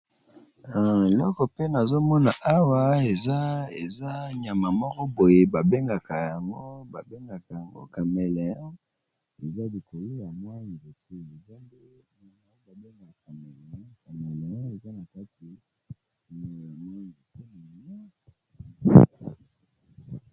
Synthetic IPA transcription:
lɔ˦kɔ˨pe˦na˨zo˦mɔ˦na˨ʔa˦wa˦e˨za˦e˨za˦ɲa˨ma˨mɔ˦kɔ˦bo˨je˨ba˨be˦ŋɡa˨ka˨ja˨ŋɡo˦ba˨be˦ŋɡa˨ka˨ja˨ŋɡo̰˦ka˨mɛ˨lɛ˨˦ | e˨za˦li˨ko˨lo˦ja˨mwa˦ni˨bo˨te˦e˨za˦nde˦˨a˨ŋa˦ba˨be˦ŋɡa˨ka˨mɛ˨lka˨mɛ˨lɛ˨˦e˨za˦na˨ka˦ti˨ | ja˨mɔ˦˨i˨te˦ma˨a˦

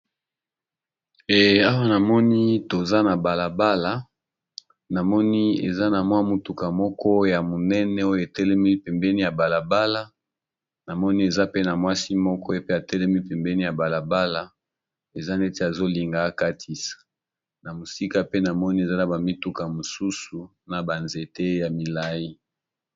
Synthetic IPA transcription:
e˨a˦wa˦na˨mɔ˦ni˦to˨za˦na˨ba˨la˨ba˦la˨ | na˨mɔ˦ni˦ḛ˨za˦na˨mwa˦mo˨tu˨ka˨mɔ˦kʰɔ˦ja˨mo˨nɛ˦nɛ˦o˦jo˨e˨tɛ˦lɛ˦mi˦pɛ˨mbɛ˦ni˦ja˨ba˨la˨ba˦la˦ | na˨mɔ˦ni˦e˨za˦pe˦na˨mwa˦si˦mɔ˦kɔ˦e˦pe˦a˨tɛ˦lɛ˦mi˦pɛ˨mbɛ˦ni˦ja˨ba˨la˨ba˦la˦ | e˨za˦nde˦te˦a˨zo˦li˨ŋɡa˨˦ka˦tʰi˨sḁ˨ | na˨mo˨si˦ka˦pe˦na˨mɔ˦ni˦e˨za˦na˨ba˨mi˦tu˦ka˨mo˨su˦su˨ | na˨ba˨nze˨te˦ja˨mi˨la˦ji˦

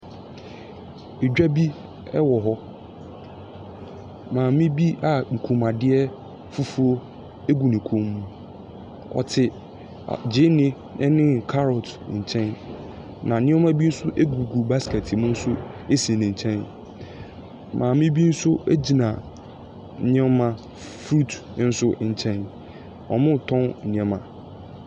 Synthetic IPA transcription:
e˨d͡ʑᶣa˦bi˦ | ɛ˦wɔ˨ɦɔ˦ | mãː˨mĩ˦bi˦ʔa˨ŋ̩˨kʰũ˨ma˨dɪ˦ɛ˦ | fu˦fu˦o˦ | e˦ɡu˨nĩ˨kʰũ˨mːũ˨ | ɔ̰˨tʰɪ˨ | a̰˨d͡ʑɪ˦nɪ̃˦ | nʔɪ̃˦nɪ̃˦kʰa˦ɾɔ˨tɲ̩˨t͡ɕʰɛ̃˦n | nã˨ñ˦ɛ̃˦mã˦bi˦n̩˦sʊ˦ʔe˦ɡu˨ɡu˨ba˦skɛ˨tʰɪ˨mʊ̃˦n̩˦sʊ˦e˦sĩ˨nĩ˨ɲ̩˨t͡ɕʰɛ̃˦n | mʔãː˨mɪ̃˦bi˦n̩˦sʊ˦e˦d͡ʑi˨nã˨ | n˦ɛ̃˦mã˦ | fɾu˦t | n̩˦sʊ˦ɲ̩˨t͡ɕʰɛ̃˦n | ɔ˨mʊ̃˦˨tʰɔ̃˦n̩˨nĩ˨ɛ̃˨mã˨

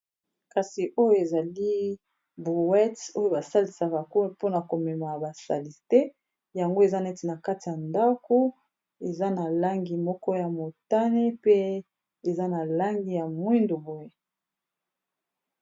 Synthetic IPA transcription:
ka˨si˨ʔo˦jo˦e˨za˨li˦ | bu˨wɛ˦to˦jo˦ba˨sa˦li˨sa˨ba˨ko˦po˦na˨ko˨mɛ˨ma˨ba˨sa̰˨li˨ste˦ | ja˨ŋɡo˦e˨za˦nɛ˦ti˨na˨ka˦ti˨ja˨nda˦ko˦ | e˨za˦na˨la˦ŋɡi˨mɔ˦kɔ˦ja˨mo˨ta˦ne˦pe˦ | e˨za˦na˨la˦ŋɡi˦ja˨mwi˦ndo˨bo˦je˦

